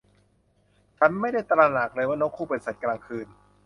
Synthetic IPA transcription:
t͡ɕʰa˦˥˩nma˥˩jda˥˩jt̪ɾaː˧na˨˩k̚lɤː˧˩jmaː˧˥no˦˥kʰːuː˥˩eː˨˩sa˨˩t̪̚klaː˧ŋkʰɯː˧n

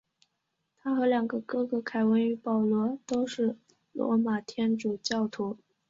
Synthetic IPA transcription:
t̪ʰa˥xɤ˧˥ljɑ˨˩ŋɡə˧˦kɤ˥˩kɤ˧˩kʰa˨˩ɪwə˧˥ny˧˥pɑ˨˩ʊlwɔ˧˥t̪o˥ʊʂɻ̩˥˩ | lwɔ̰˧˥ma˨˩t̪ʰjɛ˥nʈ͡ʂu˨˩t͡ɕjɑ˥˩ʊt̪ʰu˧˥

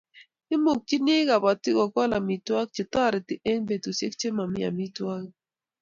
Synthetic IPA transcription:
ɪ˦mo˨k̚t͡ʃi˦ne˦ɡa˨ba˨tɪ˦kɔ˨kɔ˦la˨mi˨twa˦k̚t͡ʃɪ˨tɔ˦˨ɾɛ˨tɪ˨e˦ŋbe˨to˨sje˦k̚t͡ʃe˦ma˨mɪ˦a̰˨mi˦twa˦k

